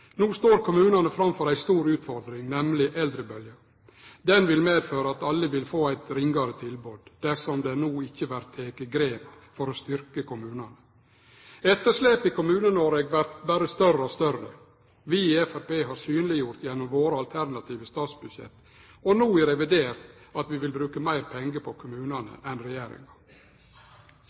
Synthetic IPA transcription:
nuːst̪oːɾkʰʊmʉːnɑnəfɾɑmfɔɾæɪst̪uːɾʉːt̪fɔɾd̪ɾɪŋnɛmlɪʔɛld̪ɾəbœljə | d̪ɛnʋɪlmeːd̪føːɾəɑt̪ɑlːəʋɪlfoːæɪt̪ɾɪŋɡɑɾət̪ʰɪlbuːd̪d̪æsɔmd̪ɛnuːɪçːəʋæɾt̪ʰːeːkəɡɾeːp | fɔɾɔst̪ʏɾkəkʰʊmʉːnɑnə | ɛt̪ːəʂleːpɪkʊmʉːnənɔɾeːɡʋæɾt̪bæɾəst̪œrəɔst̪œrə̰ | ʋɪɛfæɾpeːɦɑɾsyːnlɪjʊɾt̪jɛnːɔmʋoːɾəɑlt̪ʰæɾnɑt̪ʰiːʋəst̪ɑːt̪sbʉd̪ʃjɛ̰t̪ː | ɔnuːɛɾɛʋɪd̪eːɾt̪ | ɑt̪ʋɪʋɪlbɾʉːkəmæɪɾpʰɛŋɡəpʰɔkʰʊmʉːnɑnə̰ʔɛnɾɛjeːɾɪ̰ŋɑ

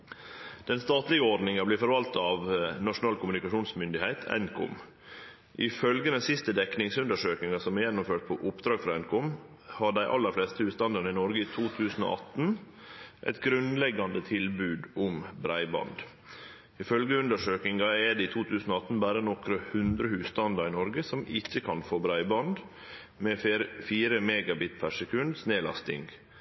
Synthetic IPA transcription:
d̪̥ɛnst̪ɑːt̪lɪɡəɔɖnɪŋɑbliːfɔɾʋɑlt̪ɑɑʋnɑʂʊnɑːlkʰʊmʉnɪkɑʂuːnsmʏnd̪ɪhæɪt̪ʰɛ̰nkʰʊ̰m | ʔɪfœlɡəd̪ɛnsɪst̪əd̪ɛknɪŋsʉnd̪əʂøːkɪŋɑsɔmɛjɛnːʊmføːʈ̚pʰɔʔʊpd̪ɾɑːɡfɾɑɛnkʰʊm | hɑɖæɪʔɑ̰lːəɾfleːst̪əʉːst̪ɑnd̪əɳəɪnɔɾɡəit̪ʰuːt̪ʰʉːsn̩o̰ʔɑ̰t̪n̩ | ʔɛ̰t̪ɡɾʉnlɛɡɑnd̪ət̪ʰɪlbʉːd̪ʊmbɾæɪbɑ̰nd̪ | ɪfœlɡəʉnd̪əʂøːkɪŋɑɛd̪ɛɪt̪ʰuːt̪ʰʉːsn̩ɔɑt̪ːn̩bæːɾənɔkɾəhʉnd̪ɾəhʉːst̪ɑnd̪ɑɾɪnɔɾɡəsɔmɪçːəkʰɑnfoːbɾæɪbɑnd̪ | mɛːfiːɾəmeːɡɑbɪt̪pʰæʂɛkʰʉnd̪sneːlɑ̰st̪ɪ̰ŋɡ

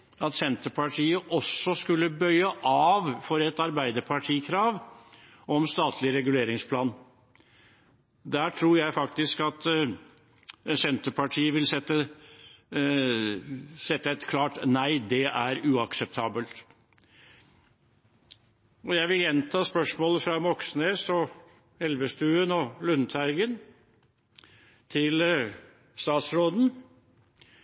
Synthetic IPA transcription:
ɑt̪sɛnt̪əpʰɑʈʰiːəʔɔsːɔskʉlːəbœʏəʔɑːʋfɔɾɛt̪ɑɾbæɪd̪əɾpʰɑʈʰiːkʰɾɑːʋ | ɔmst̪ɑːt̪ʰlɪɾɛɡʉleːɾɪŋspʰlɑːn | d̪æːʈʰɾuːɾjæɪfɑk̚t̪ɪskɑt̪ | sɛnt̪əpʰɑʈʰiːəʋɪlsɛt̪ːə | sɛt̪ːəɛt̪kʰlɑːʈnæɪd̪ɛʔæɾʉːɑksɛp̚t̪ʰɑːbəlt̪ | ɔjæɪʋɪljɛnt̪ʰɑːspœʂmoːləfɾɑmɔksneːsɔ | ɛlʋəst̪ʉːənɔlʉnt̪ʰæɪɡən | t̪ʰɪl | st̪ɑːt̪sɾoːd̪n̩

